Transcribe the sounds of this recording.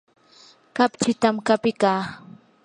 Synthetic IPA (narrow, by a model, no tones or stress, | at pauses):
kapt͡ʃɪt̪amkapɪkaː